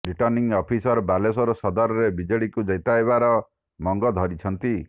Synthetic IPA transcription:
ɾiʈɔɾniŋɔpʰisɔɾbalesɔɾɔsɔd̪ɔɾɔɾebid͡ʒɔɭikud͡ʒɔjt̪ajβaɾɔ | mɔŋɡɔd̪ʱɔɾit͡ʃʰɔnt̪i

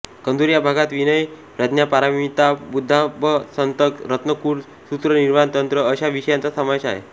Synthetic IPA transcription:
kənd̪uɾjabʱaɡat̪ʋinəj | pɾad̪njapaɾaʋiit̪abud̪ʱːaʋəsənt̪əkɾət̪nəkuːɾ | sut̪ɾəniɾmant̪ənt̪ɾəːɕaʋiɕəjãnt͡sasəmaʋɕaɦḛ

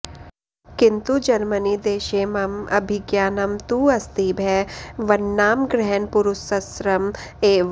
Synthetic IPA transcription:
kɪnt̪ud͡ʒɐɾmənid̪eːʃeːmɐmɐ̰bʱɪɡjaːnɐmt̪uɐst̪iːbʱɛʋɐnːaːmɡɾɛɦənpʊɾʊsɐsɾɐmeː

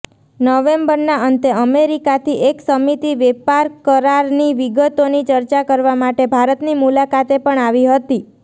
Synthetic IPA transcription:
nəʋembəɾnaənt̪əəmeɾikat̪ʰiʔeksəmit̪iʋepaɾkəɾaɾniʋiɡət̪onit͡ʃəɾt͡ʃakəɾʋamaʈebʱaɾət̪nimulakat̪epəɳaʋiɦət̪i

